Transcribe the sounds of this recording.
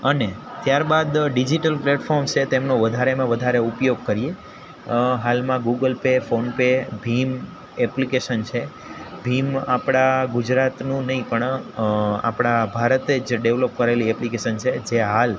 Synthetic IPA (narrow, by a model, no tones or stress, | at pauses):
ənet̪jaɾbad̪ɖid͡ʒiʈəlpleʈfʰɔɾmt͡ʃʰet̪emnoʋəd̪ʱaɾemãʋəd̪ʱaɾeupjoɡ̚kəɾije | ɦalmãɡuɡəlpefonpebʱim | eplikeʃənt͡ʃʰe | bʱimapɽ̃aɡud͡ʒɾat̪nũnəɦĩpəɳ | a̰pɽ̃abʱaɾət̪ed͡ʒɖeʋlop̚kəɾeliɛplikeʃənt͡ʃʰed͡ʒeɦal